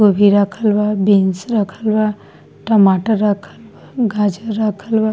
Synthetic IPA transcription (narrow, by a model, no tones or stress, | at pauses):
ɡobʱiɾaːkʰəlʋabinsɾakʰəlʋa | ʈəmaːʈəɾːaːkʰəlʋaɡaːd͡ʒəːaːkʰəlʋa